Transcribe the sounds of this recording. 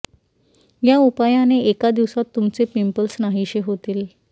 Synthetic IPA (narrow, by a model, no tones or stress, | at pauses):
jaupajaneekad̪iʋsat̪ːumt͡sepimpəlsnaɦiɕeɦot̪iːl